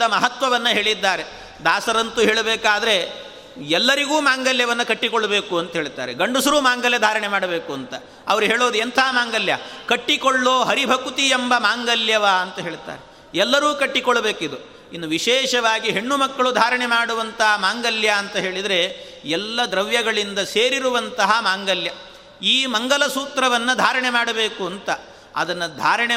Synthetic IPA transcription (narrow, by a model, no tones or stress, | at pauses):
ɐmɐɦɐt̪ʋɐʋɐnːɐɦe̞ːɭid̪ːaːɾe̞ | d̪aːsɐɾɐnt̪uɦeːɭɐbeːkaːd̪ɐɾe̞ | ɛlːɐɾiɡuːmaːŋɡɐljɐʋɐnːɐkɐʈːikɔɭːɐbe̞ːkuɐnt̪ɐɦeːɭit̪a̰ːɾeɡɐɳɖusɐɾuːmaːŋɡɐljɐd̪ʱaːɾɐɳemaːɽɐbeːkuɐnt̪ɐ | ɐʋɐɾuɦeːɭoːd̪uɐnt̪ʰaɦɐmaːŋɡɐljɐkɐʈːikɔɭːoːɦɐɾibʱɐkut̪iembɐmaːŋɡɐljɐʋaɐnt̪ɐɦe̞ːɭit̪ːa̰ːɾe | ɛlːɐɾuːkɐʈːikɔɭːɐbe̞ːkid̪u | inːuʋiʃɛːʃɐʋaːɡiɦeɳːumɐkːɐɭud̪ʱaːɾɐɳemaːɽuʋɐnt̪ɐɦɐmaːŋɡɐljaːnt̪ɐɦe̞ːɭid̪ɾe̞ | ɛlːɐd̪ɾɐʋjɐɡɐɭind̪ɐseːɾiɾuʋɐnt̪ɐɦɐmaːŋɡɐljɐ | iːmɐŋɡɐlɐsuːt̪ɾɐʋɐnːɐd̪ʱaːɾɐɳemaːɽɐbeːkuɐnt̪ɐ | ɐ̰d̪ɐnːɐd̪ʱaːɾɐɳe